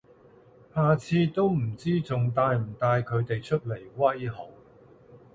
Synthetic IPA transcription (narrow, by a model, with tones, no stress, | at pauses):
haː˨t͡sʰiː˧t̪o˥wm̩˨˩t͡siː˥t͡sʊ˨ŋt̪aː˧jm̩˨˩t̪aː˧jkʰɵ˨˧ɥt̪e˨jt͡ʃʰɵ˥t̚le˨˩jwɐ˥jɦo˨˥w